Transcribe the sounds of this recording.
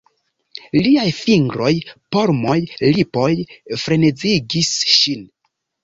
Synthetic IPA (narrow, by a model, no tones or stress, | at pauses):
liajfiŋɡɾo̞jpoɾmojlipo̞jfɾe̞ned͡ziɡisʃin